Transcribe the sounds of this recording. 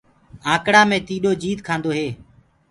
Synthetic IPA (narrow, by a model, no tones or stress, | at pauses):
ãːkɽaːmẽːt̪iːɗoːd͡ʒiːt̪kʰãːnd̪oːɦeː